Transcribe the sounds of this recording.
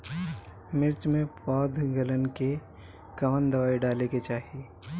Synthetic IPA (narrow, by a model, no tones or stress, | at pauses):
mɪɾt͡ʃmẽpɔːd̪ʱɡələnke | kɐʋənd̪ɐʋaːiɖaːleket͡ʃaːɦie